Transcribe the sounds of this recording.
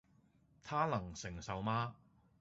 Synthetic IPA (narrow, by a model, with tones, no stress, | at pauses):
t̪ʰaː˥lɐ˨˩ŋsɪ˨˩ŋsɐ˨wmaː˥